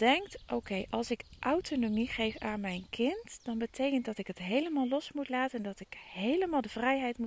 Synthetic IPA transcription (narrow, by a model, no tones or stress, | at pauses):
d̥ɛŋktʔowkejʔɑlˠsɪkʔawtonomiχejfaːnmɛjnkʰɪntd̥ɑnbətʰejkəntdɑtɪkətɦejləmaːlˠɔsmutlaːtəndɑtɪkhejləmaːlˠdəvrɛjɦɛjtmu